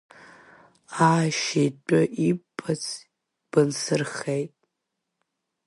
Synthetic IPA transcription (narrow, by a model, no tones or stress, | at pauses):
aːʃitʷʼʊʔipʼʰːat͡sʰ | b̥ɨnsɨrχejtʼ